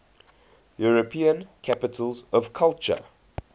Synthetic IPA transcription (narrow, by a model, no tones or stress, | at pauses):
juɹəpʰiə̃nkʰapɪtʰəlzɔv̥kʰalt͡ʃə̰